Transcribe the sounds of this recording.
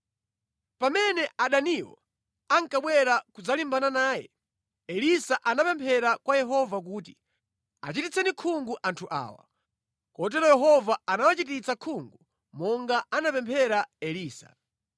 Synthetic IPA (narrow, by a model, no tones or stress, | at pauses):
pamɛnɛʔaɗaniwɔ̰ | aŋkaɓwɛɾakud͡zalimbananaːjɛ̰ | ɛlisaʔanapɛmpʰɛɾakwajɛɦɔvak̬uːti | a̰t͡ʃitit͡sʰɛnikʰuŋɡuʔantʰuʔa̰ːwa̰ | kɔt̬ɛɾɔjɛɦɔvaanawat͡ʃitit͡sakʰuŋɡu | mɔŋɡaʔanapɛmpʰɛɾaɛliːsa̰